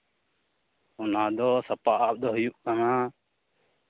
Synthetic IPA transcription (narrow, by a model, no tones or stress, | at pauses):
unaːd̪ɔsɐpaʔap̚d̪ɔɦɔjuʔkana